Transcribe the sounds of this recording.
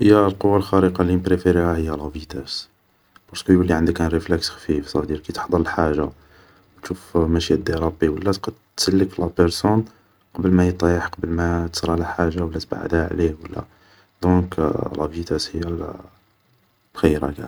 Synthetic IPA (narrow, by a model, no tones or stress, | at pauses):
həjːælqowːalxæɾəqɑlinbɾefeɾihæhəjːælævit̪æs | b̥ɑɾˤskəjulːiʕənd̪əkænɾeflæksxfifsˤɑd̪iɾkit̪ə̥ħd̪ˤɑləlħaʒa | wt̪ʃufmæʃiæd̪iɾˤɑbiwəlːæt̪qɑd̪t̪səlːəklæpəɾsun | qɑbəlmæjət̪ˤːjəħqɑbəlmæt̪ə̥sɾˤɑlæħaʒawəlːæt̪ba̰ʕə̰d̪hæʕliwəlːæ̰ | d̪ɔ̃klɑvit̪æshəjːæl | b̥xəjːɾæ̰kæ̰